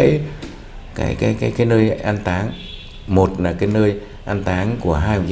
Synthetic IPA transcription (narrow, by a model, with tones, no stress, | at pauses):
j | ka̰ː˨˦jkaː˨˦jkaː˨˦jkaː˨˦jnəː˧jʔa˧nt̪aː˨˦ŋ | mo˨˩t̚naː˨˩kaː˨˦jnəː˧j | ʔa˧nt̪aː˨˦ŋku˧˩əɦaː˧jhʊ˨˩k̚z